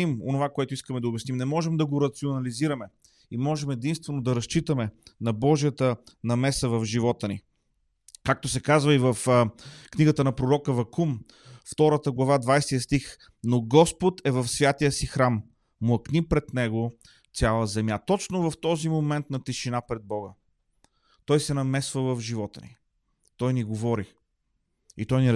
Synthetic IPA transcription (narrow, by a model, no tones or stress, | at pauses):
imo̰novakoɛt̪ʊiskəmɛd̪ɐʊbʲjɛsnimnɛmɔʒɛmd̪ɐɡoɾɐt̪sionɐliziɾɐmɛ | imɔʒɛmɛd̪inst̪vɛnod̪ɐɾɐst͡ʃit̪əmɛnɐbɔʒijət̪ənɐmɛsəvɐvʒivɔt̪ənḭ | kak̚t̪osɛkazvəivɐfkniɡət̪ənɐpɾoɾɔkəvɐkum | ft̪ɔɾət̪əɡlˠɐvad̪vajsɛt̪ijəst̪ix | noɡɔspot̪ɛvɐfsvʲjat̪ijəsixɾamː | ʊɐknipɾɛt̪nɛɡo | alˠəzɛmjat̪ɔt͡ʃnovɐft̪ɔzimomɛnt̪nɐt̪ɛʃinapɾɛd̪̚bɔɡə | t̪ɔjsɛnɐmɛsvəvɐvʒivɔt̪ə̰nḭ | t̪ɔjniɡovɔɾi | it̪ɔjni